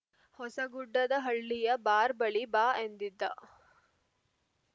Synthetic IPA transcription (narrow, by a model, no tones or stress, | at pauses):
hɔsɐɡuɖːɐd̪ɐɦɐɭːijɐbaːɾbɐɭibaːend̪id̪ːɐ